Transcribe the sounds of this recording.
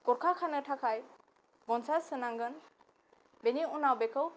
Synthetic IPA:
kɔɾkʰakʰanɯtʰakʰaj | ɡɔnsasɯnaŋɡɯn | beniunawbekʰɯw

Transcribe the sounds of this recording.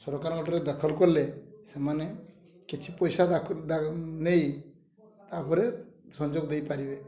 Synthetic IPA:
sɔɾɔkaɾɡɔʈɔɾed̪əkʰəlkɔɾlesemane | kit͡ʃʰipɔjsad̪d̪anej | t̪apɔɾesɔnd͡ʒoɡd̪ejpaɾibe

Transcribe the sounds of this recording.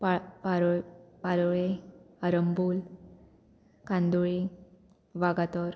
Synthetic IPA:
ppapalɔɭe | əɾəmbul | kãnd̪uɭi | ʋaɡat̪ɔɾ

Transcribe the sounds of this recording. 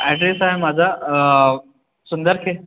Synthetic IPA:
ɛʈɾesajmad͡zʱa | sund̪əɾkʰe

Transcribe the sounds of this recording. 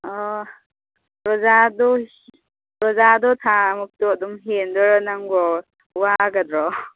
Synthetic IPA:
ɔ | ɾɔzadɔ | ɾɔzadɔt̪ʰamuk̚tuɔdɔmɦendɔɾɔnaŋɡɔ | waɡad̪ɾɔ

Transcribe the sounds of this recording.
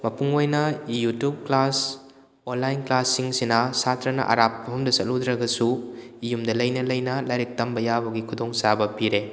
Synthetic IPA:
mɐpuŋojnɐjutjup̚klas | onlajnklasːiŋsinɐsatɾɐnɐ̰ʔɐ̰ɾap̚ːɐɦumdɐsɐt̚ludɾɐɡɐsu | ijumdɐlɐjnɐlɐjnɐlajɾik̚tɐmbɐjabɐɡikʰudoŋsabɐpiɾe

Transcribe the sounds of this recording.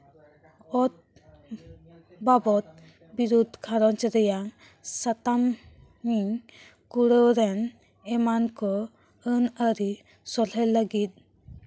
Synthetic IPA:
ɔt̪̚ | babɔt̪̚ | biɾud̪ʱkʰaɾɔnt͡ʃəɾɛjaŋ | sat̪am | miŋ | kuɽəwɾɛn | ɛmankɔ | ənəɾi | sɔlɛləɡit̪̚

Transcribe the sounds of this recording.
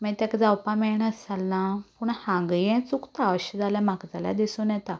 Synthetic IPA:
mɛt̪jakd͡zawpãmɛɳəsalːãpuɳhãŋɡəjɛ̃t͡sukt̪aʋɕəd͡zaljam̤akd͡zala̰d̪isonjɛt̪a

